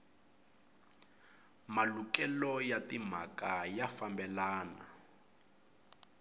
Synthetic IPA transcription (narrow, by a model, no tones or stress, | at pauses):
malukɛlɔjatim̤a̰kajafambɛlaːna